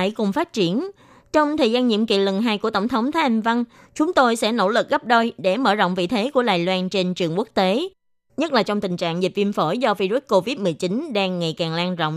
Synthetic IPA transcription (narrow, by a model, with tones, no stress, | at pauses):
a˧˩jkʊ˨˩ŋ͡mfaː˦˥t̚t͡ɕi˧˩ən | t͡ɕɔ˧wŋ͡mt̪ʰəː˨˩jzaː˧nɲḭ˧˨əmkḭ˧˨lə˨˩ŋɦaː˧jku˧˩ət̪ə˧˩wŋ͡mt̪ʰə˨˦wŋ͡mt̪ʰaː˨˦a˨˩ŋva˧n | t͡ɕʊ˨˦ŋ͡mt̪o˧jsɛ̰˧˥no̰˧˩lɨ˨˩k̚ɣə˦˥p̚ɗo˧jɗe˧˩məː˧˩zɔ̰˧˨wŋ͡mvḭ˧˨t̪ʰe˨˦ku˧˩əɗa̰ː˨jlwaː˧nt͡ɕe˧nt͡ɕɨ˨˩əŋku˦˥ək̚t̪e˨˦ | ɲə˦˥t̚laː˨˩t͡ɕɔ˧wŋ͡mt̪ï˨˩ŋ̟t͡ɕa̰ː˧˨ŋzi˨˩p̚vi˧əmfo˧˩jzɔ˧vi˧zu˦˥t̚ko˧vi˦˥t̚mɨ˨˩əjt͡ɕi˨˦nɗaː˧ŋːa˨˩jkaː˨˩ŋlaː˧nzɔ̰˧˨wŋ͡m